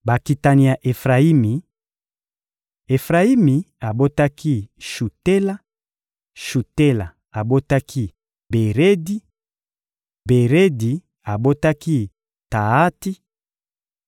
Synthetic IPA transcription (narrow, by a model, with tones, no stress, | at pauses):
ba˨ki˨ta˨ni˨ja˨ʔe˨fʁa˨i˦mi˨ | e˨fʁa˨i˦mi˨a˨bo˦ta˦ki˦ʃu˨te˦la˦ | ʃu˨te˦la˨ | a˨bo˦ta˦kʰi˦ | be˨ʁe˦di˦ | be˨ʁe˦di˨ | a˨bo˦ta˦ki˦ | ta˨a˦ti˦